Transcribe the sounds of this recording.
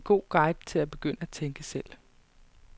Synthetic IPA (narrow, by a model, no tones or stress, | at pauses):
ɡ̥o̝̰ːɡ̥ɑ̈ɪ̰d̥t͡sʰe̝læb̥e̝ɡ̥øn̰əæt͡sʰeŋɡ̥əsel̰